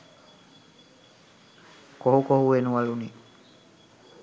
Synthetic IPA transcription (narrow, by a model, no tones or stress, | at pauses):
koɦukoɦuʋenuʋaluniː